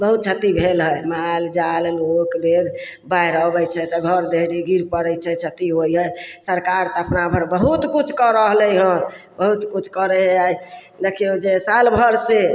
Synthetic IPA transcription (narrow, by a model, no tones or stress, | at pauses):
bəɦut̪̚t͡ʃʰət̪ibʱelɦəjmald͡ʒallokled̪ | bajɾəbɛjt͡ʃʰɛt̪ɔɡʱəɾd̪ʱeɦɽiɡiɾpəɾəjt͡ʃʰɛt͡ʃʰət̪iɦojɦəjsəɾkaɾt̪əpnabʱəɾbəɦut̪kut͡ʃʰkɔɾəɦlɛjɦən | bəɦut̪kut͡ʃʰkəɾɛɦɛaj | d̪ekʰeod͡ʒesalbʱəɾse